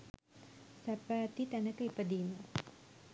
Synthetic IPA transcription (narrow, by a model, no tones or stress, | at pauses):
sæpaːt̪it̪ænəkəipəd̪iːmːə